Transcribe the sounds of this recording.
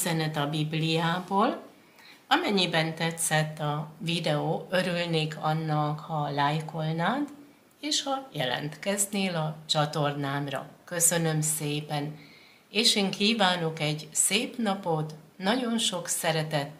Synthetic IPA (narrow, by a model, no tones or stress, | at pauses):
zɛnɛt̪ɒbiblijaːboːl | ɒmɛɲːibɛnt̪ɛt̪sɛt̪ːɒvid̪ɛoːø̞ɾylneːkʰɒnːɒkhɒlaːjko̞lnaːt̪ | eːʃhɒjɛ̰lɛ̰nt̪kɛzneːlɒt͡ʃɒt̪o̞rnaːmrɒ̰kø̞sø̞nø̞mseːpɛn | eːʃeːŋkiːvaːno̞kɛɟseːpnɒpo̞t̪ | nɒɟo̞nʃo̞ksɛɾɛt̪ɛt̪ː